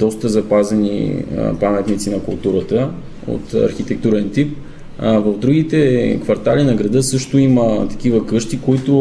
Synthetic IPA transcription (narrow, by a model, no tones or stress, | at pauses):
d̪ɔst̪əzɐpazɛnḭpamɛt̪nit̪sinɐkʊlˠt̪uɾət̪ə | o̰t̪ɐ̰ɾxit̪ɛk̚t̪uɾɛnt̪ip̚ | vɐvd̪ɾuɡit̪ɛkvɐɾt̪alinɐɡɾɐd̪ɤsɤʃt̪ʊimət̪ɐ̥k̟ivəkɤʃt̪ikoit̪ʊ